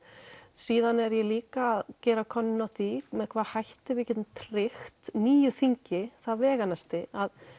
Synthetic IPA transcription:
siːðanɛɾjɛliːkaːðcɛːɾakʰɔnːɪnawθʰiːɣmɛðkʰvaːðhajht̪ɪvɪcɪt̪nt̪ʰɾɪxt̪niːjʏθiɲcɪθaðvɛːɣanast̪ɪað

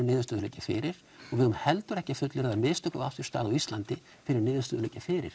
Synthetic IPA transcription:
ɪnɪːðʏst̪ːðʏleːcɪfɪ̰ɾɪɾ̥ | ɔɣvɪðʏmhɛlt̪ʏɾɛhcɪfʏt̪lʏɾðaɾmɪst̪œkavafʏ̥st̪a̰ːðaist̪lant̪ɪ | fɪɾɪɾnɪːðʏst̪œːðʏleːcafɪɾɪ̰ɾ̥

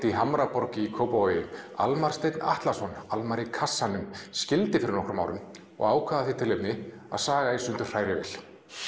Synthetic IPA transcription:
t̪ɪiɦamɾapɔɾcɪikʰowpajɪa̰lmaɾ̥st̪ejt̪na̰ht̪lasɔnalmaɾɪkʰasːanʏmscɪlt̪ɪfɪɾɪɾnɔhkɾʏma̰ːwɾʏ̰m | ɔ̰ɣaːwkʰaðaθit̪ʰɪlepnɪ | a̰ðsaːɣaensʏnt̪ʏr̥r̥aːjɾɪvɛ̰l̥

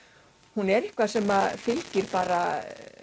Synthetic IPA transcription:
hunɛɾɪhkvaðsɛmafɪlcɪɾpaːɾa

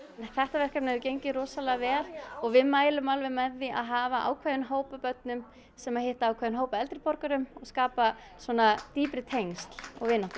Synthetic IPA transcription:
θɛht̪avɛr̥kanɛðʏcejɲcɪɾɔːsalɛɣavɛːɾɔɣvɪðmaːjlʏmalvɛmɛðːia̰ðɦaːvaʔa̰ːwkʰvaːðʏnɦoːwpapœt̪̚nʏm | sɛmaðheht̪aawkʰvaːðʏnɦoːwpaɛlt̪ɾɪpɔɾkaɾʏmɔɣskaːpa | swɔːnat̪iːpɾɪt̪ʰejŋst̪lɔ̰ɣvɪːnaht̪ɪ

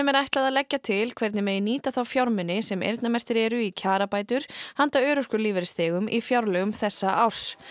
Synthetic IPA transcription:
ɛmɛɾajht̪laðaðlɛcːat̪ʰɪlkʰv̥ɛɾt̪nɪmɛːjɪniːt̪aθawfjawɾmʏnɪsɛmḛjɾt̪namɛr̥t̪ɪɾɛːɾʏicʰaːɾapaːjt̪ʏɾ̥hant̪aœːɾʏr̥kʏliːvɛɾɪst̪ɛːɣʏmʔifjawɾlœɣʏmθɛsːaʔaws

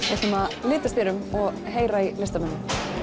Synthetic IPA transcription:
ɛsɛmalɪːt̪ast̪jeːɾʏmɔɣ | ɦeːjɾailɪst̪amɛnːʏm

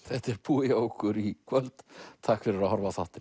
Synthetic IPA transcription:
θɛht̪ɛɾpuːɪowkʏɾikʰvœlt̪t̪ʰːahkfɪɾɪɾaðhɔɾvasaht̪ɪ̥

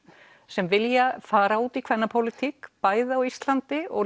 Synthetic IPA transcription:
sɛmvɪljafaːɾauːt̪ikʰvɛnːapʰowlɪt̪ʰikpaːjðawist̪lant̪ɪɔɣ

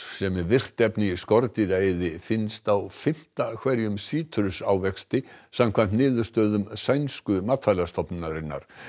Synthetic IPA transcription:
sɛmɛvɪr̥t̪ɛpnɪiskɔɾt̪ɪðaːjðɪfɪnst̪awfɪm̥t̪akʰvɛɾjʏmsiːt̪ʰɾʏsaːwvɛkst̪ɪsamkʰvant̪nɪːðʏ̥st̪œːðʏmsajnskʏmaːt̪fajlast̪ɔpnnaɾɪnːa̰ɾ̥

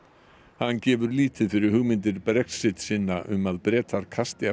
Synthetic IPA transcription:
hanːcɛːvʏɾliːt̪ɪðfɪɾɪɾhʏɣmɪnt̪̬ɪɾpɾɛksɪt̪sɪnːaʔʏ̰maðpɾɛːt̪ʰaɾ̥kʰast̪ɪa

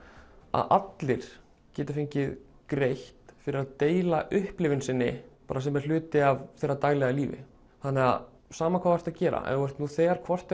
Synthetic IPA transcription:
a̰ðʔa̰t̪lɪɾ̥ | cɛːt̪ɪ̥fɪɲcɪð | kɾejht̪fɪɾɪɾaðt̪eːjlaʔʏhplɪvʏnsɪnːɪpa̰ːɾasɛmɛɾ̥l̥ʏːt̪ɪavθejrːat̪aːjlɛɣaliːvɪ̰ | θanːɛɣa̰ð | saːmakʰvaːvajr̥t̪aðcɛːɾa̰ʔɛ̰nɣɛr̥t̪nuθɛːɣaɾ̥kʰvɔr̥t̪

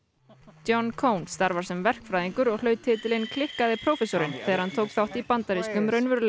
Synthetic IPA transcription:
t̪jɔnːkʰoːwnsːt̪aɾvaɾsɛmvɛr̥kfɾajðiŋkʏɾɔɣlœːɥt̪ʰɪːt̪ɪlɪnkʰlɪhkaðɪpʰɾowfɛsoɾɪnθɛːɣaɾhant̪ʰoːwkθawht̪ipant̪aɾiskʏmɾœɥnvʏɾl

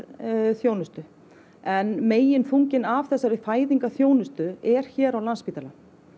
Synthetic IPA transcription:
θjoːwnʏst̪ʏ | ɛnmeːjɪnfuɲcɪnavθɛsːaɾɪfaːjðiŋkaθjoːwnʏst̪ʏɛɾ̥çɛːɾawlanspiːt̪ala

